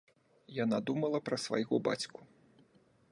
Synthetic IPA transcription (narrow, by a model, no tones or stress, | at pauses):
janad̪umɐlˠɐpɾɐsva̰jɣɔba̰t͡sʲku̥